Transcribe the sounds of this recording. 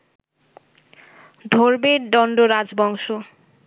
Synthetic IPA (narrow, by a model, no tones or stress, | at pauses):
d̪ʱoɾbeɖɔɳɖoɾad͡ʑbɔŋʃo